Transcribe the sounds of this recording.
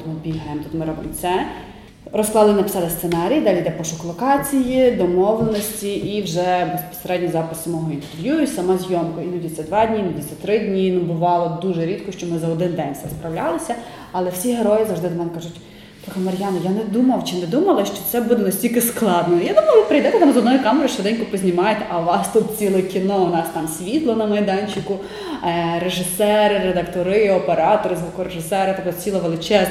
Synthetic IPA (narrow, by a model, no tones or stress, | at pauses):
t̪ɔmʊbʲilʲɦɛemt̪u̥t̪mɪɾɔʋɪ̰nt͡s̪ʲsʲɛ | rɔsklˠɑdlˠɪnɐpɪ̥sɑlˠɪst̪senɑɾʲijd̪ɑlʲijd̪ɛpɔʃɔklˠɔkɑt͡sʲijid̪ɔmɔʋlˠenɔsʲtʲiʔːwʒɛbespɔ̥seɾɛdʲnʲijzɑpɪ̥sːɐmɔɦɔint̪eɾʋjuisɐmɑzʲjɔmkɔinud̪ʲit͡sʲɐd̪ʋɑdʲnʲinʊdʲit͡sʲːt̪ɾɪdʲnʲinʊbʊʋɑlˠɔd̪uʒɛɾʲit̪̚kɔʃt͡ʃɔmɪzɐɔd̪ɪnd̪ɛnʲt̪ɛ̰spɾɐwlʲɑlˠɪsʲɐ | ɐlˠɛwsʲiɦeɾɔjɪzɐwʒd̪ɪd̪ɐnɛmkɐʒʊtʲ | t̪ɔkɐmɐɾʲjɑnɐjanɛd̪umɐwt͡ʃɪnɛd̪umɐlˠɪʃt͡ʃɔt̪sɛbud̪ɛnɐsʲtʲilʲkɪsklˠɑd̪nɔjad̪umɐjˠʋʲipɾɐjd̪ɛt̪ɛt̪ɑmzɔd̪nɔjikɑmeɾʊʃt͡ʃɔd̪ɛnʲkʊpɔzʲnʲimɑjɛt̪ɛʔɐʋɑst̪ut̪̚t͡sʲilˠɛkʲinɔʊnɑst̪ɑmsʲʋʲit̪lˠɔnɐmɐjd̪ɑnʲt͡ʃɪkʊ | ɾeʒɪsɛɾɪɾed̪ɐkt̪ɔɾɪɔpeɾɑt̪ɔɾɪzʋukɔɾeʒɪsɛɾɪt̪ak̪ɔt͡sʲilˠɐʋelˠɪt͡ʃɛz